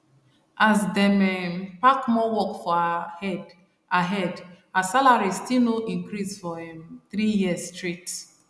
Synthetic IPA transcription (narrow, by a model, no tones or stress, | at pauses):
ʔazdɛmɛmpakmɔwɔkfɔaɛd | aɦɛd | asalaɹistinoʔĩŋkɾisfɔɛ̃mθɾijiəsstɹit